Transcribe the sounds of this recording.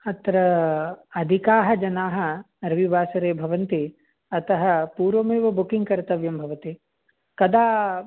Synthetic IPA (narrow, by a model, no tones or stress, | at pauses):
ɐt̪ɾɐ | ɐd̪ʱikaːɦɐ̆d͡ʒɐnaːɦɐ̆ | ɾɐʋibʱaːsɐɾeːbʱɐʋɐnt̪i | ɐt̪ɐɦɐpuːɾʋɐmeːʋɐbukiŋɡkɐɾt̪ɐʋjɐmbʱɐʋɐt̪i | kɐd̪aː